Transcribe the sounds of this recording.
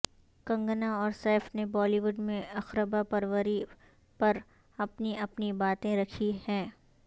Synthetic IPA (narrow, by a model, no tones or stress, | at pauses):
kɐ̃ŋɡnaɔːɾsɛːfnebɔːliʋʊɖmẽɐxɾəbapɐɾʋəɾi | pɐɾ | ɐpniɐpnibaːt̪ẽɾɐkʰihɛ̃ː